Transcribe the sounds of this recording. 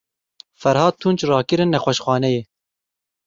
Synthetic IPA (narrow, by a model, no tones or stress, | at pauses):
fɛɾhɑːt̪ʰunt͡ʃrɑːkɨɾɨnːɛxʷɛʃxʷɑːnɛjeː